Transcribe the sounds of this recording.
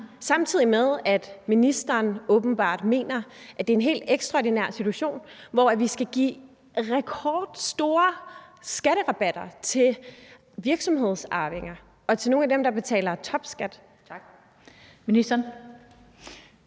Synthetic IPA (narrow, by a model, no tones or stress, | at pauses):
sɑ̈mt͡sʰið̞̰ˠimeðˠæd̥minisd̥ɐːnɔ̽ːb̥n̩b̥ɑ̰̈ːd̥me̝̰ːnɐʔæd̥e̝æe̝nɦe̝̰ːld̥eɡ̥sd̥ʁɑod̥inæɐ̰sit͡sʰuæɕo̝̰ːnʋɒæʋisɡ̥æɡ̥ḭː | ʁɛkʰɒːd̥sd̥o̝ːɐsɡ̥æɾəʁɑ̈b̥æd̥ɐt͡sʰe̝l | ʋiɐɡ̥sɒ̽mɦe̝ð̞̰ˠsɑ̈ːʋe̝ŋɐ | ɒ̽t͡sʰe̝lno̝ːnædemd̥ɑ̈b̥e̝t͡sʰɛ̰ːlɐt͡sʰɒ̽b̥sɡ̥æd̥ | minisd̥ɐn